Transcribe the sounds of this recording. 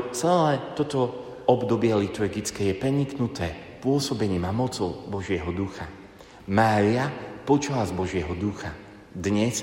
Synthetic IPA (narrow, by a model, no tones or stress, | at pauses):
t͡sɛlɛːt̪ɔt̪ɔ | ɔbd̪ɔbɪɛlit̪uɾɡit͡skɛːjɛpɾɛɲiknut̪ɛː | pʊɔsɔbɛɲiːmamɔt͡sɔʊbɔʒɪɛɦɔd̪uxa | maːɾiapɔt͡ʃlazbɔʒɪɛɦɔd̪uxa | d̪ɲɛs